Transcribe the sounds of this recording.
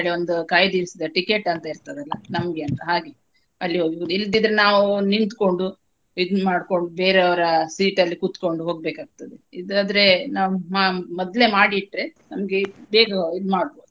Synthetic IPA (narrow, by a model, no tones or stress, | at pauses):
ɭeond̪ukaːjd̪iːɾsid̪ɐʈike̞ʈːɐnt̪ɐiɾt̪ɐd̪ɐlːɐnɐmɡe̞ɐnt̪ɐɦaːɡe | ɐlːiɦoːɡod̪ild̪id̪ɾenaːʋunint̪ko̞ɳɖu | id̪maːɽko̞ɳɖubeːɾeɐʋɐɾɐsiːʈɐlːikut̪ko̞ɳɖuɦo̞ːɡ̚beːkaːɡ̚t̪ɐd̪eid̪aːd̪ɾe̞naːʋumamɔd̪le̞maːɽiːʈːɾe̞nɐmɡebeːɡɐid̪maːɽbo̞ːd̪u